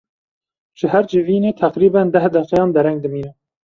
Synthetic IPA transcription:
ʒ̥ɪhæɾd͡ʒɪviːneːt̪ʰæqɾiːbænd̪æhd̪ɛqɛjɑːnd̪ɛɾɛŋɡ̚d̪ɨmiːnɛ

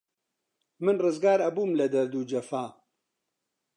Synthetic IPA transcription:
mɨnrɨzɡaːɾɐbuːmlɐd̪ɐɾd̪uːd͡ʒɐfaː

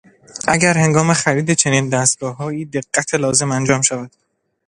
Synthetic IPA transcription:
ʔæɟæɾhe̞ŋɡɒːme̞xæɾiːd̪et͡ʃʰe̞niːnd̪æst̪̚ɡ̥ɒːɦɒːiːd̪e̞ɡːæt̪ʰelɒːze̞mænd͡ʒɒːmʃævæd̪̥

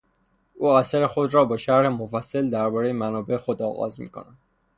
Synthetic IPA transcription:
ʔuːæsæɾe̞xo̞d̪ɾɒːbɒːʃæɾhemofæsːæld̪æɾbɒːɾejemænɒːbe̞exo̞d̪ɒ̰ːɣɒ̰ːzmḭːkʰonæn

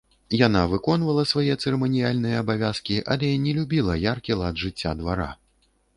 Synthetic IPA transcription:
janavɨkɔnvɐlˠɐsvajɛt̪sɛɾɛmɐnʲijalʲnɨjɐːbavʲaskʲiʔa̰lʲɛnʲɛlʲubʲilˠɐjarkʲilˠɐd̪ʐɨt͡sʲːa̰d̪vaɾa̰

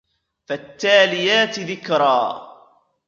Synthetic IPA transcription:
fat̪ːaːlɪjaːt̪ðɪkɾˤɑː

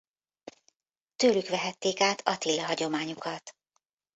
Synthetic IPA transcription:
t̪øːlykʋɛɦɛt̪ːeːkaːt̪ʰɒt̪ilːɛɦɒɟo̞maːɲukʰɒt̪

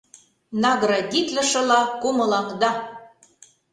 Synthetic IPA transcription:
nɑɣɾɑd̪ʲit̪lə̆ʃɤ̆lɑkumɤ̆lɑŋd̪ɑ

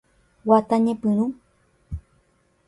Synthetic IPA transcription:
wat̪aɲẽpɨnũ

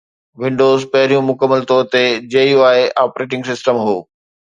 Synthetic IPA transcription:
ʋɪ̃ɳɖoːzpɐɦɪɾijũmʊkəmːəlt̪ɔːɾt̪ed͡ʑeːjuaːeʔaːpɾeːʈ̬ɪ̃ŋɡsɪsʈəmɦoː

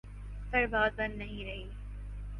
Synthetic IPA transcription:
t̪ɐɾbaːd̪̚bɐ̃nnɐɦĩɾɐɦiː

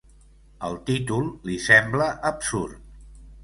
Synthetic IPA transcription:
əlˠt̪it̪ulˠlisɛmbləʔəpsurt̪̚

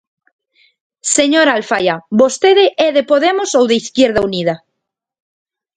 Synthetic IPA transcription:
seɲoɾaːlfajabost̪eðeʔɛðepoðemosowðeiθkjeɾð̞aunið̞a

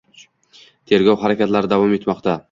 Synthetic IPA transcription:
t̪ʰe̞ɾɡʲɒwhaɾakʲat̪laɾɪd̪avɒme̞t̪mɒqt̪ʰa

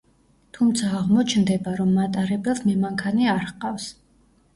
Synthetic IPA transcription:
t̪ʰumt̪sʰaːʁmɔt͡ʃʰnd̪ɛbaɾɔmːat̪ʼaɾɛbɛlˠsmɛmaŋkʰaniaɾqʼafs

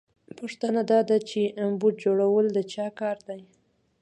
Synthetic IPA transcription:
poʂt̪ənad̪ɑd̪at͡ʃeambud̪̚d͡ʒoɽawəld̪ət͡ʃɑkɑɾd̪aj

